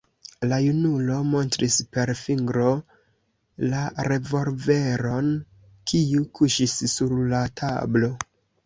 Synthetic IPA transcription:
lajunulo̞mo̞ntɾispe̞ɾfiŋɡɾo̞ | laɾe̞vo̞lve̞ɾo̞n | kʰiukʰuʃisːuɾlatʰa̰blo̞

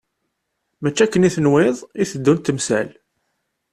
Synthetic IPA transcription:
mæt͡ʃːækːəniθənwɪðˤiθəd̪ːunt̪əmsæ̰l

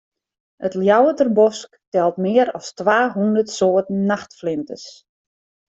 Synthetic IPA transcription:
ətljawətərbɔsktɛlˠtmɪəɾɔstʋaːɦundərtsoətn̩ːaxtflɪmtə̰s

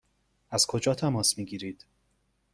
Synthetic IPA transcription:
æz̥kʰo̞d͡ʒɒːt̪ʰæmɒːsmiːɡiːɾiːd̪̥

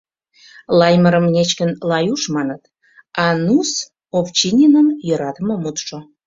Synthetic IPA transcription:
lɑjməɾəmnʲet͡ɕkənlɑjuʃmɑnət̪ | ɑnus | opt͡ɕinʲinəmjøɾɑt̪əmə̆mut̪ʃo

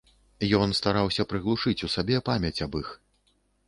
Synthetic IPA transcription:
jɔnst̪aɾawsʲɐpɾɨɣlˠuʂɨt͡sʲusabʲɛpamʲɐt͡sʲɐbix

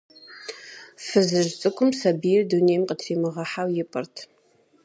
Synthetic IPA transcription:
fɨzɨʒt͡sʼɨkʷʰʼʊmsɐbijɪrdunejmqətʰriːmɨʁɐħawjɪpʼɨrtʰ

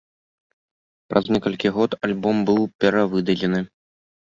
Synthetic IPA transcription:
pɾʔɐznʲɛkɐlʲkʲiɣɔt̪alʲbɔmbɨwpʲɛɾavɨd̪ɐlʲɛnɨ

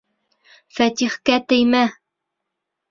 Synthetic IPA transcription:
fæt̪iχkæt̪ɘ̆jmæ

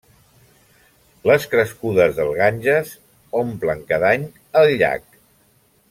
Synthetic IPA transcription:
ləskɾəskuðəzðəlˠɣaɲʲʒəs | ompləŋkaðaɲ | əlʎa̰k̚

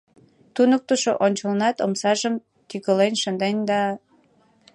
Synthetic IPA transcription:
t̪unək̚t̪əʃoʔonʲt͡ɕəlnɑt̪omsɑʒəm | t̪ykəlenʃənd̪end̪ɑ

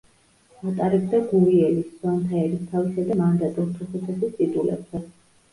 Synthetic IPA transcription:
at̪ʼaɾɛbd̪aɡuɾiɛlisd̪ant̪ʰaɛɾist̪ʰavisad̪amand̪at̪ʼuɾt̪ʰɾuχut̪ʰasist̪ʼid̪ʼulɛ̰bzɛ

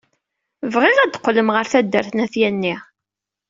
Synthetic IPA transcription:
vʁɪʁæd̪qːləmʁəɾθæd̪ːəɾθnæθjænːi

